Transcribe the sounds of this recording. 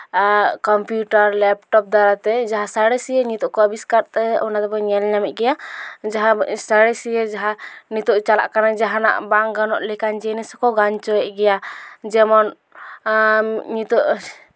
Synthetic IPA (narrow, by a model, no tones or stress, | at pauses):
kɔmpjuʈaɾlɛp̚ʈɔp̚d̪aɾat̪ɛd͡ʒaɦasaɽɛsiɛɲit̪ɔʔkɔbiskaɾt̪ɛɔnat̪ɛbɔɲalɲamɛc̪̚ˀɡɛjad͡ʒaɦasaɽɛsijɛd͡ʒaɦanit̪ɔʔt͡ʃala̰ʔkanad͡ʒaɦana̰ʔbaŋɡanɔʔlɛkand͡ʒɛnɛskɔɡaɲt͡ʃɔɛʔ̚ɡɛjad͡ʒɛmɔn | ɲit̪ɔʔ